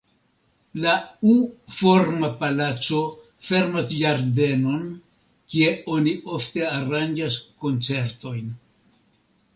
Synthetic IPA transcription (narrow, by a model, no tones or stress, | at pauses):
laufo̞ɾmapalat͡so̞ | fe̞ɾmosd͡ʒaɾde̞no̞n | kie̞o̞niʔo̞fte̞aɾand͡ʒasko̞nt͡se̞ɾto̞jn